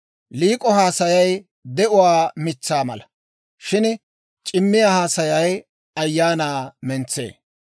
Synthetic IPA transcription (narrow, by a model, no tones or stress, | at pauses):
liːkʼɔhaːsɐjɐj | d̪ɛʔʊwaːmɪt͡sːaːmɐ̰lɐ | ʃɪn | t͡ʃʼɪmːɪjaːhaːsɐjɐj | ɐjːaːnaːmɛnt͡sːḛː